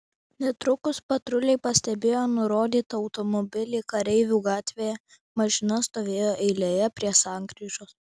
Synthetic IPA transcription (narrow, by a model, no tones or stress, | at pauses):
nʲɛt̪ɾʊkʊspɐt̪ɾʊlʲɛɪpɐsʲt̪ʲɛbʲeːjoːnʊɾoːd̪ʲiːt̪ɐɒʊt̪omɔbʲɪlʲiːkɐɾʲɛɪʋʲuːɡɑːt̪ʲʋʲeːjɛ | mɐʒʲɪnɐst̪oːʋʲeːjoːʔɛɪlʲejɛpʲɾʲiɛsɑˑŋkɾʲiːʒoːs